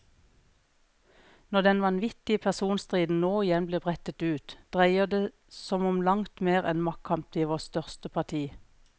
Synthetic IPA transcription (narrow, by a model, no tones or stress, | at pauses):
nɔd̪ɛnʋɑnʋɪt̪ɪəpʰæsuːnst̪ʁiːd̪n̩noːɪjɛnbliːbʁɛt̪ət̪ʉːt̪d̪̥ʁæɪəd̪eː | sɔmɔmlɑŋt̪meːʁɛ̰nmɑkkʰɑmp̪iːʋoːst̪œʁst̪əpʰɑt̪ʰiː